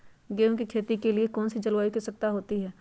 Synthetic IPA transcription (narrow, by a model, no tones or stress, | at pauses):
ɡeːõkikʰeːt̪ikeliekɔːnsid͡ʒɐlwaːikisɐk̚t̪aɦoːt̪iɦɛː